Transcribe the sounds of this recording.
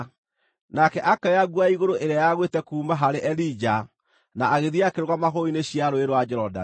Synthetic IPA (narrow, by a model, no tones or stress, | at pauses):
nakɛʔakɛjaɣwaiɣoɾoʔeɾeajaɣwetɛkuːmaɦaɾeʔɛlid͡ʒa | naːɣeðiakeɾoɣamaɣoineɕiaɾoeɾowad͡ʒɛɾɔda̰